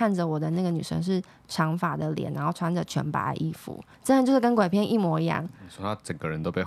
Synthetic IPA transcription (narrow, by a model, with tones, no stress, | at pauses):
a˥˩nd͡zə˨˩wɔ˨˩d̪ə˦na˥˩ɡə˩ny̰˨˩ʂə̰˧˥ŋʂ̬ɻ̩˥˩ | ʈ͡ʂʰɑ˧˥ŋfa˨˩d̪ə˦ljɛ̰˨˩nɻa˧˥nxo˥˩ʊʈ͡ʂʰwa˧˥nd͡zə˨˩t͡ɕʰɥɛ̰˧˥npa̰˧˥ʔi˥˩fṵ˨˩˦ | ʈ͡ʂnə˧t͡ɕjʊʂ̩˥˩k̬ə˥n˥kwe˨˩ɪpʰjɛ˥˧nʔi˥˩mwɔ˧˥i˧˦jɑ̰˥˩ŋsɔ˥a˥ʈ͡ʂə˨˩ŋɡə˦ɻə˧˦nt̪o˥ʊpe˥˩˨